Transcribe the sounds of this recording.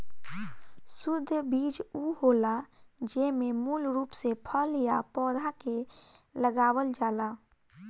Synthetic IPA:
sʊd̪ʱːbiːd͡ʒuɦoːlad͡ʒemẽmuːlɾuːpsepʰəljjapɔːd̪ʱakeləɡaːwəld͡ʒaːlaː

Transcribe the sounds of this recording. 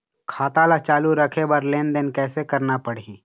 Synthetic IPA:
kʰaːt̪alat͡ʃaːluɾəkʰebəɾleːnd̪enkɛːsekəɾnapəɽiː

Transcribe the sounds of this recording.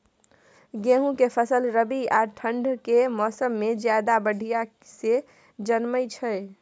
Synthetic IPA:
ɡeɦũkepʰəsəlɾəbiaʈʰəɳɖʱkemɔːsəmːed͡ʒjad̪abəɽʱija | se | d͡ʒənməjt͡ʃʰə

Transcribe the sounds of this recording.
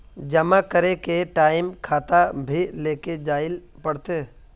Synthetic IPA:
d͡ʒɐmakəɾekeʈaːɪmkʰaːt̪abʱileːked͡ʒaːɪlpəɽt̪eː

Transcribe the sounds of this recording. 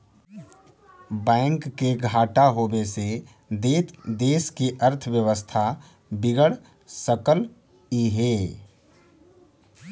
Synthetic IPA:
bɛ̃ɪŋkːeɡʱaːʈaɦobese | d̪ed̪eːskiʔəɾt̪ʰəʋjəʋəst̪ʰa | bɪɡəɽ | səkəl | iɦeː

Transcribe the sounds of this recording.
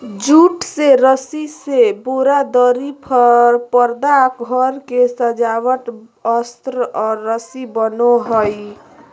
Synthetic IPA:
d͡ʒuʈseɾəsiseboɾad̪əɾipʰəɾpəɾd̪akɡʱəɾkesəd͡ʒawəʈ̪ | əst̪ɾəʔɔɾːəsibənoɦəj

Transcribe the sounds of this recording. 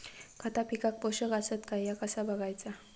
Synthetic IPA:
kat̪apikak̚boʃəɡasət̪kajjakasabaɡajt͡sa

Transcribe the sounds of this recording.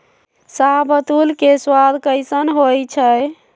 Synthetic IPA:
sabət̪ulkeswad̪ʱkəɪsənɦojt͡ʃʰəj

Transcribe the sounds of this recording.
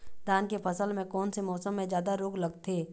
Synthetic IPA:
d̪aːnkefʰɐsəlmẽkɔːnsemɔːsəmːẽzjaːd̪aɾoːɡlɐɡt̪ʰeː

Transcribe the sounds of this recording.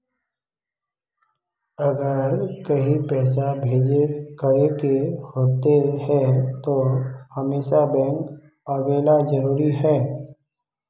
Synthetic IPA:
ɐɡəɾkɐɦipɛːs̬abʱeːd͡ʒekəɽekehoːt̪eɦɛt̪ohəmeːʃabɛ̃ːŋk | aːɡeːlad͡ʒəɾuːɾiɦɛː

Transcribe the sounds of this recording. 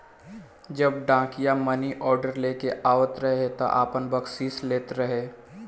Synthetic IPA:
d͡ʒəb̚ɖãːkijamɐniʔɔːɾɖəɾleːkeʔaːwət̪ɾɐɦet̪o̰ʔa̰ːpənbəksiːsleːt̪ɾɐɦeː

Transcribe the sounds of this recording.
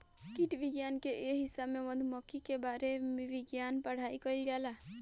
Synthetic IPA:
kiʈbiɡjankeʔeɦisabmemɔnd̪ʱmɔkikebaɾemibiɡjanpaɽ̤ajkɔjlɡala

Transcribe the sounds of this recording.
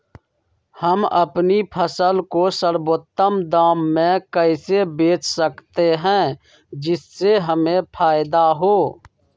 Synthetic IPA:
həmə̰pnipʰəsəlkosəɾboːt̪ːəmd̪aːmːẽkəɪsebeːt͡ʃʰsəkt̪eɦɛ̃ː | d͡ʒɪsːeɦəmẽpʰaːɪd̪aɦoː

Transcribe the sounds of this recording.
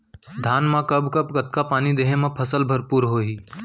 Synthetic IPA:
d̪ʱaːnmãkɐbkɐbkət̪̚kapaːnid̪eːɦẽmãpʰəsəlbʱəɾpuːɾɦoːɦiː

